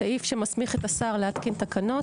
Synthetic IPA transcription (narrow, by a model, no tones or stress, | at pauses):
aʔifʃemasmiχet̪asaʁleat̪kint̪akano̞t